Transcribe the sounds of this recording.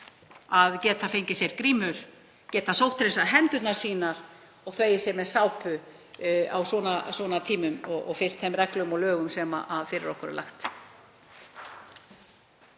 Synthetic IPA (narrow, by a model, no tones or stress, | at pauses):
aðcɛːt̪afejɲcɪsjɛɾkɾiːmʏɾ̥ | cɛːt̪asowht̪ɾesaɦɛnt̪ʏt̪naɾ̥siːnaɾ̥ | ɔɣθveːjɪsɛɾmɛðsaːwpʏ | a̰wswɔːnaswɔːnat̪ʰiːmʏmɔɣɔ̰ɣfɪl̥t̪θɛmrɛklœɣʏmɔlœːɣʏmsɛma̰ʔaðfɪɾɪ̰ɾɔhkʏɾɛ̰la̰xt̪